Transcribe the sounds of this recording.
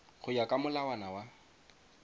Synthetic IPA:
χʊjakʼamʊlawanawa

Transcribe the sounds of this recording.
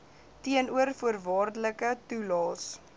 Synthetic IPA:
tiənuərfuərvɑːrdələkətulɑːs

